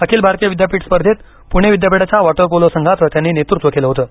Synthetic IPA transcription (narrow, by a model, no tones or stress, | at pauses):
əkʰiːlbʱaɾt̪ijəʋid̪japiːʈspəɾd̪ʱet̪̚ | puɽ̃eʋid̪japiɽat͡ɕjaʋɔʈəɾpolosəŋɡʱat̪ʋət̪janːiːnet̪uɾt̪ʋəkeləɦot̪əː